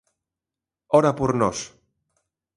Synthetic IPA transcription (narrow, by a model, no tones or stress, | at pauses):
ɔɾapuɾnɔs